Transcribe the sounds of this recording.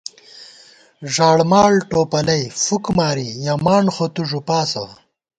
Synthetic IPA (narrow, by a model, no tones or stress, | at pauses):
ʐaːɽmaːɭʈoːpɐlɐjfukmaːɾijɐmaːɳxot̪uʐupaːsɐ̰